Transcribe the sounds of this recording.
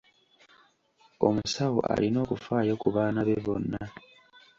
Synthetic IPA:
o̞̰musawo̰ʔa̰lino̞ːkufaːjokuβaːnaβeβo̞nːa

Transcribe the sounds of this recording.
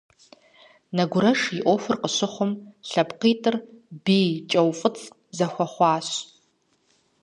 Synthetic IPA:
nɐɡʷʊɾɐʂjɪʔʷofʊrqəɕɪχʷʊmɬɐpqiːtʼɨrbiːt͡ʃʼɐwfʼɨt͡sʼ | zɐxʷɐχʷɑːɕ

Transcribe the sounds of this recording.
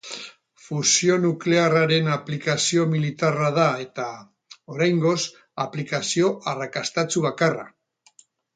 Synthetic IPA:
fusio̞nukle̞araɾe̞naplikasio̞milit̪arað̞ae̞t̪a | o̞ɾajŋɡo̞s | aplikasio̞ʔarakast̪at͡suβakara̰

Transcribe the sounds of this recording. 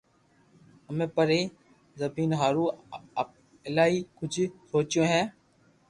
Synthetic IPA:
əmẽːpəɾeː | zəbiːnɦaːɾũː | ɪlaːɦiːkʊd͡ʒʰʱsoːt͡ʃjõːɦɛ̃ː

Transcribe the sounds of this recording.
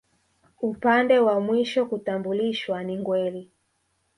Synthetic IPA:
upandɛwamwiʃɔkutambuliʃwaniŋɡwɛli

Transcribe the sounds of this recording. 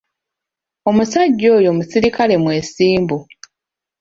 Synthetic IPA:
o̞musaɟːo̞ːjo̞musiɾikale̞mwe̞ːsiːmbu

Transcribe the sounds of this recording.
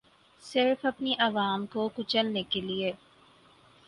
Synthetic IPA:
sɪɾfɐpniʔɐʋaːmkokʊt͡ʃəlnekelie

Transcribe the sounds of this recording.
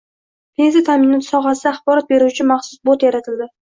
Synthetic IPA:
pʰe̞nzat̪ʰamɪnɔt̪ʰsɒɦasɪd̪aːχbɒɾat̪̚be̞ɾuwt͡ʃʰɪmaχsʊsbot̪jaɾat̪ʰɪld̪ɪ

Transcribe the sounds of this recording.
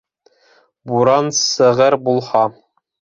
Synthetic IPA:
buɾɑnsɘ̆ʁɘɾbulˠhɑ

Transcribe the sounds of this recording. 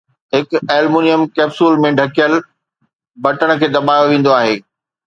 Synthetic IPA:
ɦɪkɛːlmuːnijəmkɛːbsuːlmẽɖʱɐkijəl | bɐʈəɽ̃ə̆kʰeːd̪ɐɓaːjoʋẽːn̆d̪oaːɦeː

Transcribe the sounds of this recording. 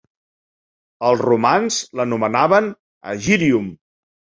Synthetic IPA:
əlˠzrumanzlənumənaβən | ə̰ʒiɾium

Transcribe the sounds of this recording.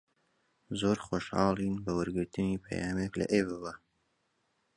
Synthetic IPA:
zoːɾχoʃhɑ̰ːlˠinbɐwɨɾɡɨɾt̪ɨnipʰɐ̰jaːmeklɐ̰ʔebɨβa

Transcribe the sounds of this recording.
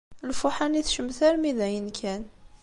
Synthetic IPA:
lfʊħaniθʃəmθæɾmiðæjənkʰæn

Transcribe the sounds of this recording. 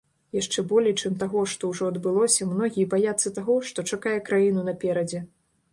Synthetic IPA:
jaʂt͡ʂɛbɔlʲɛjt͡ʂɛmt̪aɣɔʂt̪ɔwʐɔɐd̪bɨlˠɔsʲɐmnɔɣʲijɛbajat̪sːɐt̪aɣɔʂt̪ɔt͡ʂakajɛkɾajinunɐpʲɛɾɐd͡zʲɛ

